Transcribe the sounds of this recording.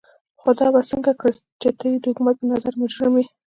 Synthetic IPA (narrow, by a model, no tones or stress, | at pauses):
xod̪ɑbasəŋɡakə | t͡ʃet̪əjd̪əhʊkumat̪̚pənazaɾmʊd͡ʒɾɪmi